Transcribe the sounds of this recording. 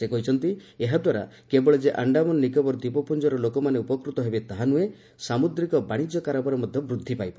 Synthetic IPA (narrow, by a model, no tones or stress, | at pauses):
sekɔɦit͡ʃʰɔnt̪ieɦad̪waɾa̰ | kebɔɭed͡ʒeʔaɳɖamɔnnikɔbɔɾd̪ipɔpund͡ʒɔɾɔlokɔmaneupɔkɾut̪ɔɦebet̪aɦanue | samud̪ɾikɔbaɽ̃id͡ʒjɔkaɾɔbɔɾɔmɔd̪ʱjɔbɾud̪ʱːipajpa